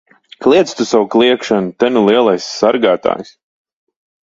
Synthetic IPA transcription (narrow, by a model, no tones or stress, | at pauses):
klʲˠiɛt̪st̪usawuklˠiɛkʃanut̪anulˠiɛlˠajsːaɾɡaːt̪a̰ːjs